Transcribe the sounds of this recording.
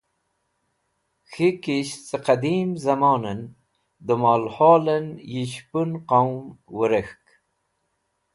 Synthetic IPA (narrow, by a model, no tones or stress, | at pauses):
xikiɕt͡səqad̪iːmzɐmɑːnən | d̪əmaːlhɑːlənjiɕpunqawmwəɾəxk